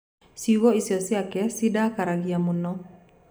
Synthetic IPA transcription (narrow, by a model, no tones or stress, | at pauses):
siwɔisiɔsiakɛsidakaɾaɡiamunɔ